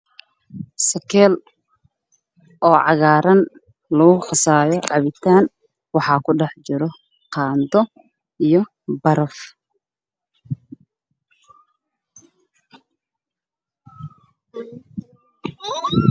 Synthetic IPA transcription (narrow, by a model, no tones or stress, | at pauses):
sɐkʰɛːl | ʔɔːʕɑɣaːɾɐn | lɐɣʊχɑsaːjɔʕɑβɪt̪ʰaːn | wɑħɑːkʰʊɖɛħt͡ʃɪɾɔ | qɑːnd̪ɔ | ijɔ | bɐɾɔf